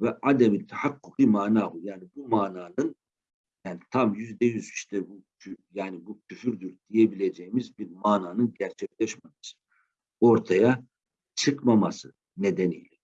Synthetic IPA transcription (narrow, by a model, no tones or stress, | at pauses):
vɛʔad̪ɛmit̪ʰaħakːukɯmaːnaːɦujaːnibumaːnaːnɯn | jaːnit̪ʰamjyzd̪ɛjyziʃt̪ʰɛbu | yjaːnibucʰyfyɾd̪yɾd̪̥ije̞bilʲed͡ʒejimizbiɾmaːnaːnɯnɟæɾt͡ʃʰɛclʲɛʃmamasɯ̥ | o̞ɾt̪ʰaja | t͡ʃʰɯkmamasɯ | ne̞d̪ɛnḭjlʲɛ